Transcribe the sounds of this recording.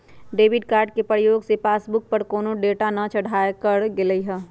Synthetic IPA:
ɖeːʋɪɖkaːɾɖ̚kepɾəjoːɡsepaːsbʊk̚pəɾkoːnõɖeːʈanɐt͡ʃəɽʱaːekəɾɡeləiɦɛː

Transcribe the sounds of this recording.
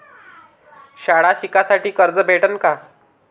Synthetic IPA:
ɕaɽaɕikasaʈiːkəɾd͡zəbʱeʈənka

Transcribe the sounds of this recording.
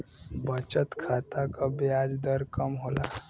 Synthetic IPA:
bət͡ʃət̪kʰat̪akabead͡ʒd̪əɾkəmɦola

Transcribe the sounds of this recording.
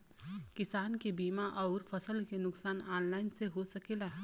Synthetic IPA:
kɪsaːnkebiːmaʔɔːɾfɐsəlkenʊksaːnaːnlaːɪnseɦosɐkeːlaːɦ

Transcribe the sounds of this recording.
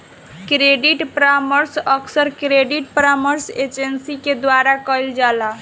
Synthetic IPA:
kɾeɖiʈpɾaməɾsəkʰsəɾkɾeɖiʈ̚pɾaməɾsed͡ʒənsiked̪waɾakəjld͡ʒala

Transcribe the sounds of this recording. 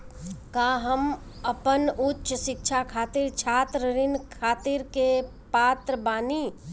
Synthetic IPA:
kaɦəm | ɐpənʊtːʃʃɪk̚t͡ʃʰakʰaːt̪iɾt͡ʃʰaːt̪ɾəɾɪnkʰaːt̪iɾke | paːt̪ɾəbaːniː

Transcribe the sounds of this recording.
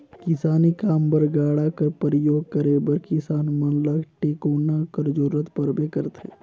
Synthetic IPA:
kɪsaːnikaːmbəɾɡaːɽakəɾpɾəjoːɡ̚kəɾeːbəɾkɪsaːnmɐnləkʈeːkoːnakəɾd͡ʒoɾət̪pɐɾbekəɾt̪ɦḛː

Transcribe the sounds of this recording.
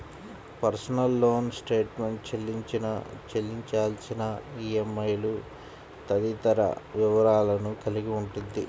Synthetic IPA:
pɐɾsɐnɐlːo̞ːnsʈe̞ːʈme̞ɳʈt͡ʃelːiɲt͡ʃinɐt͡ʃelːiɲt͡ʃaːlsinɐiemːɐjlu | t̪ɐd̪it̪ɐɾɐ̰ʋiʋɐɾaːlɐnukɐliɡiuɳʈund̪i

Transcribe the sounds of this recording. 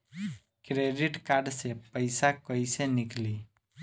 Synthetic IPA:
kɾeɖiʈkaɾɖsepəjsakəisenɪkliː

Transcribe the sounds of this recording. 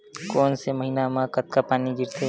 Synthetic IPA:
koːnsemɐɦiːnamãkɐt̪̚kapaːniɡʱɪɾt̪e

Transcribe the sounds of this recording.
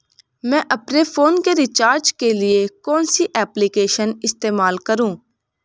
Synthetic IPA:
mɛ̃ːʔɐpnefʰoːnkeɾɪt͡ʃaːɾd͡ʒkelɪekɔ̃ːnsiʔɛːplikeːʃənɪst̪eːmaːlkəɾũː

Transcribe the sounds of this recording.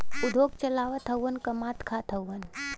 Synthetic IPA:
ʊd̪ʱoːɡt͡ʃɐlaːʋət̪ʰɐwənkɐmaːt̪kʰat̪ʰəwːən

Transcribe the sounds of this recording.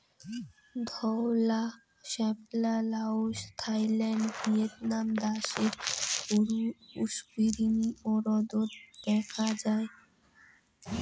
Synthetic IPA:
d̪ʱɔla | ʃɛblalaoʃt̪ʰajlɛɳɖviet̪̚namd̪aʃeɾpoɾuuʃbiɾiniʔoɾɔd̪ot̪d̪̥ɛkʰad͡ʑae

